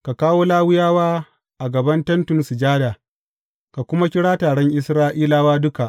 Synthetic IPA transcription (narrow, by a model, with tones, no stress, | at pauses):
ka˨kaː˦woː˦laː˦wʊ˦jaː˦waː˦ | ʔa˨ɡɐ˨bɐ˦ntɐ˦ntʊ˨nsʊ˨d͡ʒaː˦daː˨ | ka˨kʷʊ˦ma˦kʲɪ˦ɽaː˦taː˨ɽɛ˦ŋʔɪ˦sɾaː˦ʔiː˦laː˦waː˦dʊ˦ka˨ʔ